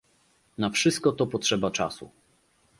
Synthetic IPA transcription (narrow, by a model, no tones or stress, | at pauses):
nafʂɘst̪̚kɔt̪ɔpɔtʂɛbat͡ʂa̰sṵ